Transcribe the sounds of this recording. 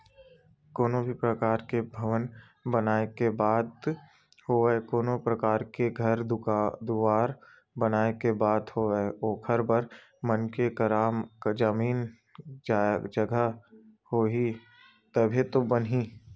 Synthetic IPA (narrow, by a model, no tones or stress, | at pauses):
koːnõbʱipɾəkaːɾkebʱɐʋən | bənaːekebaːd̪ | hoɛkoːnõpɾɐkaːɾkeɡʱɐɾd̪d̪ʊaːɾ | bənaːekebaːd̪hoɛoːkʰəɾbəɾ | mənkekɐɾakd͡ʒəmiːn | d͡ʒad͡ʒɐɡʱəhoːɦi | t̪ɐbʱit̪obənɦiː